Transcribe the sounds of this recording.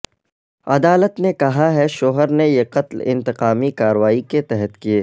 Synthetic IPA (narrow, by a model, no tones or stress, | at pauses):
ɐd̪aːlət̪nekɐɦaɦɛʃoːɦəɾnejeqɐt̪lɪ̰̃nt̪ɪqaːmikaːɾəʋaːiket̪ɛɦət̪kieː